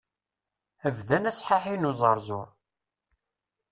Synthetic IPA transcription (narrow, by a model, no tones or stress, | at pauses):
ævðænæsˤħaħinuzˤɑɾˤzoɾˤ